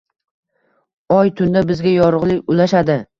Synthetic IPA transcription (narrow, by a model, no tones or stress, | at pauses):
ɒjt̪ʰʊnd̪abɪzɡʲajɒɾʊʁlˠɪkʲʊlaʃad̪ɪ